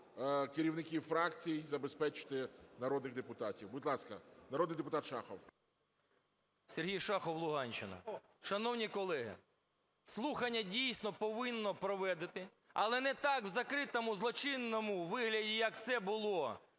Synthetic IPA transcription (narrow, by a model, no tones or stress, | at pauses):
kɪɾʲiwnɪkʲiwfɾɑkt͡sʲijizɐbespɛt͡ʃɪ̥t̪ɪnɐɾɔd̪nɪɣd̪epʊt̪ɑtʲiwbʊd̪ʲlˠɑskɐnɐɾoɔd̪nɪjd̪epʊt̪ɑt̪ʃɑxɔw | sʲerɦʲijʃɑxɔwlˠʊɦɑnʲt͡ʃɪnɐ̰ | ʃɐnɔwnʲikɔlˠɛɦɪ̰ | slˠuxɐnʲːɐdʲijsʲnɔpɔʋɪnːɔpɾɔʋɛd̪ɪt̪ɪ | ɐlˠɛnɛt̪ɑkwzɐkɾɪt̪ɔmʊzlˠɔt͡ʃɪnːɔmʊʋɪɦlʲɐdʲijɐk̚t̪sɛbʊlˠɔ